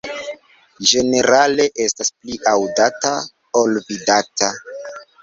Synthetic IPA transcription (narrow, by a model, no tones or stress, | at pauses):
d͡ʒe̞ne̞ɾale̞ʔe̞staspliʔawdata | olvidata